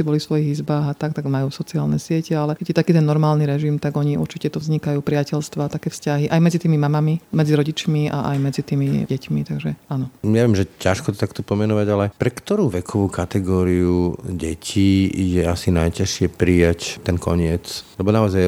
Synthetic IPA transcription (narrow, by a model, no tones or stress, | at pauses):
ibɔlisʋɔjiɣizbaːɣat̪ak̚t̪aɡmajuːsɔt͡siaːlnɛsɪɛcɛalɛkɛɟjɛt̪akiːt̪ɛnːɔɾmaːlniɾɛʒimt̪aɡɔɲiṵɾt͡ʃicɛt̪ɔvzɲikajuːpɾɪacɛʎst̪ʋaːt̪akɛːfscaɦiʔajmɛd͡zit̪iːmimamamimɛd͡ziɾɔɟit͡ʃmia̰ʔa̰jmɛd͡zit̪iːmiɟɛcmit̪aɡʒɛanɔɲɛʋɪɛmʒɛcaʃkɔt̪ɔ̥t̪akt̪ɔpɔmɛnɔʋaɟalɛɛpɾɛkt̪ɔɾuːʋɛkʰɔʋuːkat̪ɛɡɔːɾiuɟɛcʰijɛasinajcaʃɪɛpɾijact̪ɛnkɔ̰ɲɪɛt͡slɛbɔnaɔzaj